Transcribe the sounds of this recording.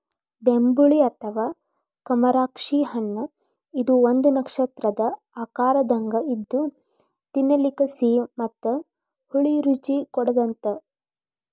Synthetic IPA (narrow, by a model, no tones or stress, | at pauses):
bembuɭiɐt̪ʰɐʋaː | kɐmɐɾaːkʂiɦɐɳːɐ | id̪uond̪unɐkʂɐt̪ɾɐd̪ɐ | aːkaːɾɐd̪ɐŋɡɐid̪ːu | t̪inːɐlikɐsiːmɐt̪ːɐ | huɭiɾut͡ʃikɔɽɐd̪ɐnt̪ɐ